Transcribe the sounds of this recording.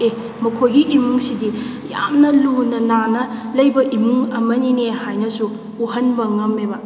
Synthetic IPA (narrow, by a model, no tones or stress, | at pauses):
e | mɐkʰojɡiʔimuŋsidi | ja̰mnɐlunɐnanɐlɐjbɐʔimuŋɐmɐninehajnɐsu | uhɐnbɐŋɐmebɐ